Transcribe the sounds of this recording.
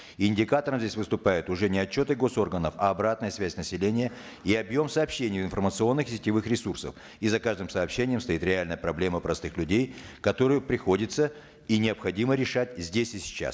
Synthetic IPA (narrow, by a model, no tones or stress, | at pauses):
ɪnʲdʲɪkat̪əɾəmzʲdʲesʲvɨst̪ʊpajɪt̪ʊʐɛnʲɪɐt͡ɕːo̞t̪ɨɡo̞so̞rɡənəfɐːbɾat̪nəjəsvʲæsʲnəsʲɪlʲenʲɪjə | iɐbjo̞msɐːpɕːenʲɪjvɪnfərmət̪sɨo̞nːɨxsʲɪ̥tʲɪvɨxɾʲɪsursə̰f | izɐkaʐd̪ɨmsɐːpɕːenʲɪjəmst̪ɐit̪ɾʲɪalʲnəjəpɾɐblʲe̞məpɾɐst̪ɨxlʲʉdʲejkɐt̪o̞ɾɨjʊpɾʲɪxo̞dʲɪt̪sə | inʲɪəɐpxɐdʲiməɾʲɪʂatʲzʲdʲesʲɪsʲɪ̥t͡ɕːa̰s